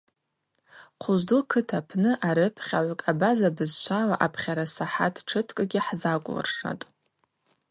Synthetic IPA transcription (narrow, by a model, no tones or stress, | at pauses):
qʷʰʊʒdukʰɨtʰapʰnɨʔaɾɨpʰχʲaʕʷakʼabazabɨzt͡ʃʷʰalaʔapʰχʲaɾasaħatʰʈ͡ʂʰɨtʰkʼɨɡʲɪħzakʷʼlɨ̰rʂa̰tʼ